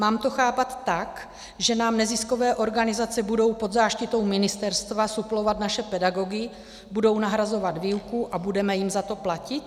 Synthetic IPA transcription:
maːmt̪oxaːpat̪ːak | ʒɛnaːmnɛzɪsko̞vɛːʔo̞ɾɡanɪzat͡sɛbudo̞wpo̞d̪zaːʃcɪt̪o̞wmɪnɪst̪ɛɾst̪vasuplo̞vat̪naʃɛpɛdaɡo̞ɡɪ | budo̞wnaɦɾazo̞vad̪viːlkuʔabudɛmɛjɪmzat̪o̞placɪt̪

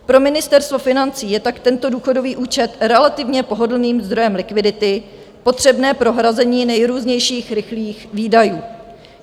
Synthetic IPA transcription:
pɾo̞mɪnɪst̪ɛɾst̪vo̞fɪnant͡siːjɛt̪akt̪ɛnt̪oduːxo̞do̞viːʔuːt͡ʃɛt̪ɾɛlat̪ɪvɲɛpo̞ɦo̞dl̩niːmzd̪ɾo̞jɛmlɪkvɪdɪt̪ɪ | po̞t̪r̝̥ɛbnɛːpɾo̞ɦɾazɛɲiːnɛjɾuːzɲɛjʃiːxɾɪxliːxviːdajuː

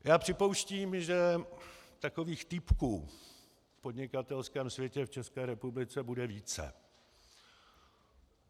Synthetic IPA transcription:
jaːpr̝̥ɪpo̞wʃciːmʒɛ | t̪ako̞viːxt̪ɪpkuː | fpo̞dɲɪkat̪ɛlskɛːmsvjɛcɛft͡ʃɛskɛːɾɛpublɪt͡sɛbudɛviːt͡sɛ̰

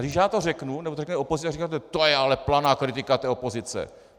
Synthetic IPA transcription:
ɡdɪʃjaːt̪orɛknunɛbt̪orɛknɛopozɪt͡sːaɡrikaːt̪ɛt̪ojɛalɛplanaːkɾɪt̪ɪkat̪ɛːopozɪt͡sɛ̰

